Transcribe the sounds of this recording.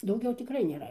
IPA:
dɐʊˈɡʲɛʊ tʲɪˈkrɐɪ nʲeːˈrɐ

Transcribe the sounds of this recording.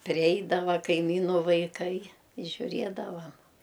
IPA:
pʲrʲɪˈɛɪdɐʋɐ kɐɪˈmʲiːnʊ ʋɐɪˈkɐɪ ɪ ʒʲʊˈrʲiɛdɐʋɐm

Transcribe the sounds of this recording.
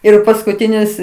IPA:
ɪr pɐskʊˈtʲɪnʲɪs

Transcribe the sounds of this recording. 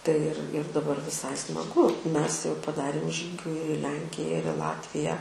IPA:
tɐɪ ɪr ɪr dɐˈbɐr ʋʲɪˈsɐɪ smɐˈɡʊ ˈmʲɛs jɛʊ pɐˈdɑːrʲeːm ʒʲiːɡʲʊ ɪr ɪ ˈlʲɛŋʲkʲɪjɛ ɪr ɪ ˈlˠɑːtʲʋʲɪjæː

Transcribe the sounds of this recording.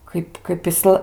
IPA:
ˈkɐɪp kɐɪp ɪˈslˠɐ

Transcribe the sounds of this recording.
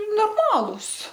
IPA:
noːrˈmɑːlˠuːs

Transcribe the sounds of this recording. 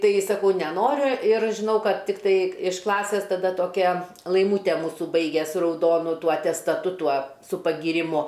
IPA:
ˈtɐɪ sɐˈkɐʊ nʲɛˈnoːrʲʊ ɪr ʒʲɪˈnɐʊ ˈkɐt ˈtʲɪktɐɪ ɪʃ ˈklˠɑːsʲeːs tɐˈdɐ toːˈkʲɛ lˠɐɪˈmuːtʲɛ ˈmuːsʊ ˈbɐɪɡʲɛ sʊ rɐʊˈdoːnʊ ˈtuɔ ɐtʲɛstɐˈtʊ ˈtuɔ sʊ pɐɡʲiːrʲɪˈmʊ

